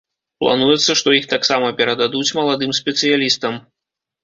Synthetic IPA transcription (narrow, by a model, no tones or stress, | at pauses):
plˠa̰nujɛt̪sːɐʂt̪ɔixt̪aksamɐpʲɛɾɐd̪ad̪ut͡sʲmɐlˠad̪ɨmsʲpʲɛt̪sɨjalʲist̪ɐm